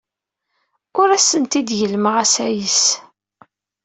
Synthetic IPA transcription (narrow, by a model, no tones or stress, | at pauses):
ʊɾæsənt̪id̪jəlməʁæsæjəs